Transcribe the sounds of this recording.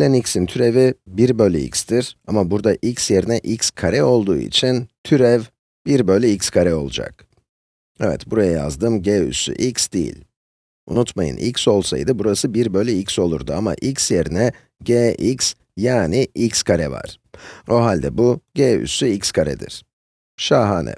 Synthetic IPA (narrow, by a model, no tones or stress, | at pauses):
lʲɛnicsint̪ʰyɾe̞vibiɾbølʲyḭcsd̪iɾ̥amabuɾd̪aʔicsje̞ɾinɛʔicskʰaɾɛo̞lˠd̪uːḭt͡ʃʰint̪ʰyɾɛv | b̥iɾbølʲyicskʰaɾɛo̞̰lˠud͡ʒa̰k | ɛvɛ̰t̪buɾajaja̰zd̪ɯmɟeːy̰sy̰ʔicsd̪ijḭlʲ | ṵnut̪majɯ̰nʔḭcso̞lˠsa̰jd̪ɯbuɾasɯbiɾbø̞lʲyicso̞lˠṵɾd̪uama̰ʔicsje̞ɾinɛ | ɟeːʔics | jaːniʔicskʰaɾɛva̰ɾ̥ | o̞ɦalʲd̪ɛbuɟeːy̰syicskʰaɾɛ̰d̪ḭɾ̥ | ʃaːɦaːnɛ̰